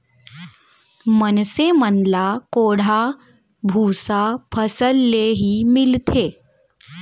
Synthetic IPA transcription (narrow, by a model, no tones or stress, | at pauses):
mənsemənlakoɽ̤a | bʱusapʰəsəlːeɦiːmilt̪ʰe